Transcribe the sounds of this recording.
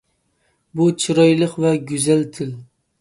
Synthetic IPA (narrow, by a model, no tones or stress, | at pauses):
but͡ʃʰɨɾɑjlˠəqvɛɡʲyzɛlt̪ʰɪl